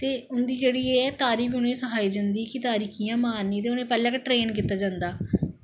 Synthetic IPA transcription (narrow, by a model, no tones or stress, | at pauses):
t̪eːʊnd̪iːd͡ʒeːɽiːeːɛːt̪aːɾiːkʊnẽːsəɦaːid͡ʒə̃nd̪iːkɪt̪aːɾiːkʰijãːmaːnːiːt̪̬eːʊnẽːpɛləkʈɾeːnkiːt̪ːaːd͡ʒãːnd̪aː